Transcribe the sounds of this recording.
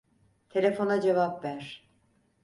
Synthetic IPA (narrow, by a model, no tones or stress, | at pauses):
t̪ʰe̞lʲe̞fo̞nad͡ʒevapvæɾ̥